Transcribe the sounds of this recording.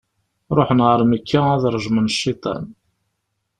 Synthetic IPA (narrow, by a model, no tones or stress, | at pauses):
ɾˤoħnʁəɾˤməkʰːææðɾˤʒmənʃːit̪ˤɑ̰n